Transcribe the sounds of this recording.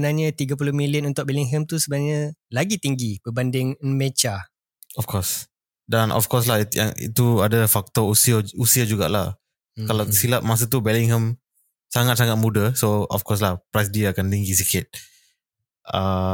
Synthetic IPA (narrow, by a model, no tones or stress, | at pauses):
ənaɲət̪iɡap̬ulʊhmiliənunt̪ʊʔ̚beliŋɦəmt̪usəbənaɲəlaɡit̪iŋɡibəbandɪŋnmet͡ʃa | ɔfkɔs | danʔɔ̰fkɔs̬lahja̰ŋḭt̪uadəfak̚t̪ɔusiausiad͡ʒuɡa̰ʔlah | kalasilap̚mas̬ət̪̬ubɛliŋɦəm | saŋat̪̚saŋat̪̚mudəsoɔ̰fkɔs̬lahpɾajs̬diaakant̪iŋɡis̬ikɪt̪̚ | ə